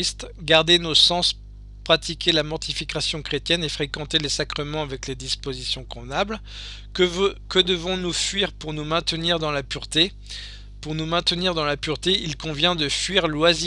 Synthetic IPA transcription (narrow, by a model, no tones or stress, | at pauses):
ist̪ɡaʁd̪enosɑ̃s | pχat̪ikʲelamɔʁt̪ifikʲasjɔ̃kχet̪jɛnefχekɑ̃t̪elesakχəmɑ̃avɛkled̪ispozisjɔ̃kɔ̃vnabl | kəd̪əvɔ̃nufɥiʁpuʁnumɛ̃t̪əniʁd̪ɑ̃lapyʁt̪e | puʁnumɛ̃t̪əniʁd̪ɑ̃lapyʁt̪eilkɔ̃vjɛ̃d̪əfɥiʁlwazi